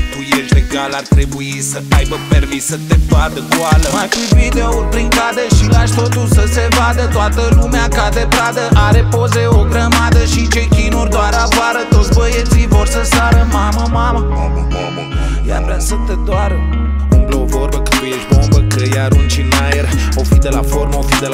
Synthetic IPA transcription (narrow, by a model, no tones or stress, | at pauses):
t̪ujeʃt̪leɡalart̪ɾebuisəajbəpermisːət̪evad̪əɡoaləmajfivid̪eupɾiŋkad̪eʃilaʃt̪o̞t̪ulsəsevad̪ət̪oat̪əlumeakad̪ebɾad̪əaɾe̞pozeoɡɾəmad̪əʃit͡ʃe̞jkʲinurʲd̪oaɾavaɾət̪o̞t̪sʲbəjet̪sivo̞rsəsaɾəmaməmamə | o̰m | ja̰vɾeasət̪ed̪waɾə | uŋɡlovo̞rbəkəjeʃbo̞mbəkəjaɾunt͡ʃinajerofid̪ela̰fo̞rmofid̪e